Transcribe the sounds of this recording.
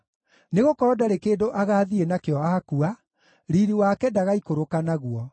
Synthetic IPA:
neɣokɔɾɔdaɾekeːndoʔaɣaːðienakeɔaːkua | ɾiɾiwakɛdaɣaikoɾokanaɣwɔ

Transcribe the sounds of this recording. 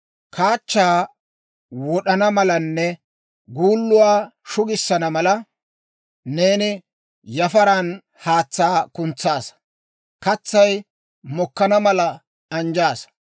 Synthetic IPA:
kʰaːt͡ʃːaː | wɔɗɐnɐmɐlɐnːɛ | ɡuːlːʊwaːʃʊɡɪsːɐnɐmɐlɐ | ne̞ːnɪ | jɐfɐɾan | haːt͡sːaːkʊnt͡sːaːs | kɐt͡sːɐj | mɔkːɐnɐmɐlɐ | ɐnd͡ʒaːs

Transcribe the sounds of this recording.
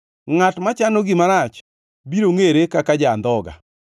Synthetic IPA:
ŋatmat͡ʃanoɡɪmaɾat͡ʃ | biɾoŋeɾekakad͡ʒand̪ɔɡa̰

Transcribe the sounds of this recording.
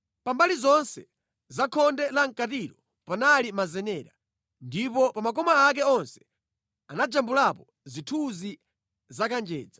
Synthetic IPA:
pambalizɔnsɛ | zakʰɔndɛlaŋ̩katiɾɔ | panalimazɛnɛːɾa | ndipɔpamak̬ɔmaːk̬ɛɔnsɛ̥ | anad͡ʒambulapɔ | zitʰuzi | zakand͡ʒɛ̰ːd͡za

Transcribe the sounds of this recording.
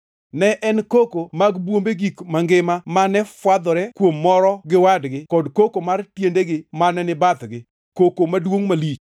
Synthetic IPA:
nɛʔɛnkokomaɡbwombeɡikmaŋɡɪmamanɛfwad̪ɔɾɛkwomːɔɾɔɡɪwadɡɪkɔdkokomartjendeɡɪmanɛnɪbat̪ɡɪ | kokomadwoŋmalit͡ʃ

